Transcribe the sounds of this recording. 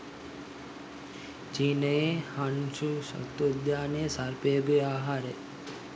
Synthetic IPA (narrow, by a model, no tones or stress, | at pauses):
d͡ʒinəehanʃuʃə̰t̪od̪jaːnesaɾpebeaːɦaɾe